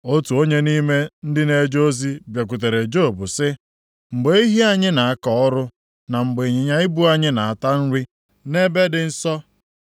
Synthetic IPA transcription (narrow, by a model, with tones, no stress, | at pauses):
o˦tu˨o˦ɲe˦ni˦me˦n̩˦dɪ˦ne˦d͡ʒo˦zi˦bje˨k̬ʷu˨t̬e˨ɾe˨d͡ʒo˦˨bʊ˨sɪ˦ | ŋ͡m̩˨ɡ͡be˨˦i˦ɦi˦a˨ɲɪ˦na˨a˦˨kɔ˨ɔ˦ɾʊ˦ | na˨ŋ͡m̩˨ɡ͡be˨ɲe˨ɲa˦ɪ˦bu˦a˨ɲɪ˦na˨a˨ta˦n̩˦ɾi˦ | ne˦be˦dɪ˨n̩˦sɔ˦